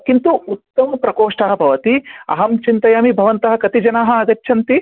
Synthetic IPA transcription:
kint̪uut̪ːɐmɐpɾɐkoːʂʈaːɦɐ̆bʱɐʋɐt̪iɐ̰ɦɐmt͡ʃint̪ɐjaːmibʱɐʋɐnt̪ɐɦɐ̆kɐt̪id͡ʒɐnaːɦɐ̆ɐɡ̪ɐt͡ʃːʃʰɐnt̪i

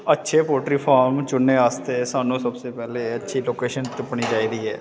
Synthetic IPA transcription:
ətːʃʰepoːʈɾipʰaːɾmt͡ʃʊnːeaːst̪esaːnõsɐbsepɛːleɐtːʃʰiloːkeːʃənt̪ɪpɳ̃id͡ʒaːiɾəiɦɛː

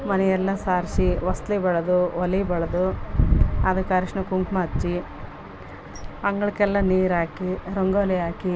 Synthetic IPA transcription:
mɐnɛjɛlːɐsaːɾsiʋɐst̪libɐɭɐd̪uʋɐlibɐɭɐd̪u | aːd̪ɐkːaːɾiʂnɐkuŋkmat͡ʃːi | ɐŋɡɐɭkɛlːɐniːɾaːkiɾoŋɡoliaːki

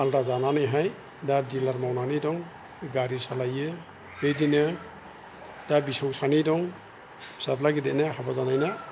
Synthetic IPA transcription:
altazananajɦaj | dadilaɾmawnanidɔŋ | ɡaɾisalaje | bejdinɯ | d̥abisɔksanidɔŋ | satlaɡidɛnahabazanajna

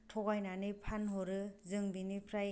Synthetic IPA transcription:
tʰɔɡajnanipʰanɦɔɾɯzɯŋbinipʰɾaj

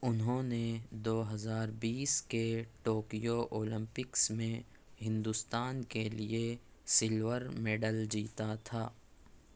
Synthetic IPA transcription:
ʊnɦõːned̪oːɦɐzaːɾbiːskeʈoːkijoʔoːlɪ̃mpɪksmẽ | ɦɪ̃nd̪ʊst̪aːnkelie | sɪlʋəɾmeːɖəld͡ʒiːt̪at̪ʰaː

